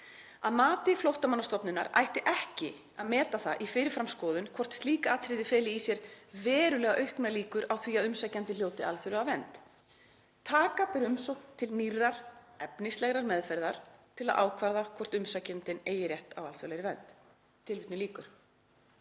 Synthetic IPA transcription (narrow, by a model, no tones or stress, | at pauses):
aðmaːt̪ɪflowht̪amanːast̪ɔpnʏna̰ɾa̰ːjht̪ɪʔɛhcɪ | aðmɛːt̪aθaʔifɪɾɪɾfɾamskɔːðʏnkʰvɔr̥t̪st̪liːkaaːt̪ʰɾɪðɪfɛːlɪisjɛɾ̥vɛːɾʏlɛːɣaʔœɥhknaliːkʏɾawθviaðʏmsajcant̪ɪl̥joːwt̪ɪʔa̰lθʏɾlɛɣavɛnt̪ | t̪ʰaːkapɛɾʏmsowknt̪ʰːɪlnirːaɾ̥ | ɛpnɪslɛɣɾaɾmɛðfɛɾðaɾ̥t̪ʰɪlaðʔa̰ːwkʰvaɾðakʰvɔr̥t̪ʏmsacant̪ɪneːjɪɾjɛht̪awalθœlɛɾɪvɛnt̪ | t̪ʰːɪlvɪt̪nʏliːkʏɾ̥